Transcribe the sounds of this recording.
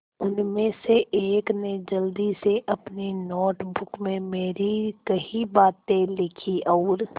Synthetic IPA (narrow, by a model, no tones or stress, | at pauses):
ʊnmẽseʔeːkned͡ʒəld̪iseʔɐpninɔːʈbʊkmẽmeːɾikəɦibaːt̪ẽlɪkʰiʔɔːɾ